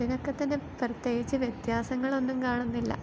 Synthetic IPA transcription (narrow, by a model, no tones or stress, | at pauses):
ino̞kːe̞t̪ːɐnːeprɐt̪je̞ːɡit͡ɕːɨʋjet̪jaːsɐŋːɐɭo̞nːumkaːɳunːilːɐ̰